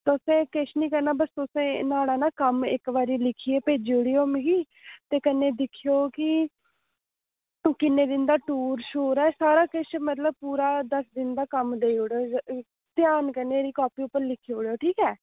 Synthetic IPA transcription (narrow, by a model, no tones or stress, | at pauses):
t̪ʊsẽːkɪʃnĩːkəɾnaːbəst̪ʊsẽːnaːɽaːnaːkəmɪ̰kbaːɾiːlɪkʰiːeːpeːd͡ʒiːʊɽiːoːmĩɡiː | t̪eːkənẽːd̪ɪkʰːijoːkɪ | kɪnːeːd̪ɪnd̪aːʈuːɾʃoːɾɛːsaːɾaːkɪʃmət̪ləb̚puːɾaːd̪əsd̪ɪnd̪aːkəmd̪eiʊɽoː | t̪jaːnkəneːɾiːkɔːpiːʊpːəɾlɪkʰːiʊɽjoːʈʰiːkɛː